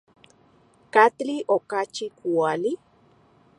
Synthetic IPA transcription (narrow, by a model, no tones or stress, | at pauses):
kat̪liʔokat͡ʃikuali